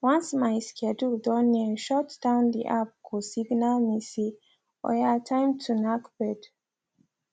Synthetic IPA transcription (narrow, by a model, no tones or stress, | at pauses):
wãnsmajskʰɛdudɔ̃nːiʃɔtd̥ãʊ̃nd̪ḭʔap̚kʰusiɡnalmisi | ɔ̰atʰãɪ̃mtʰunakbɛd